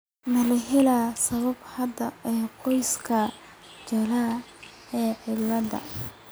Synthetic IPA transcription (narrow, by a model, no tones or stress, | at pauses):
mɐlɐɦɛlaːsɐβɐbhɐd̪ɐɛːqʰɔjskʰɐ | t͡ʃɐlaː | ɛːʕɪlːɐd̪ɐ̰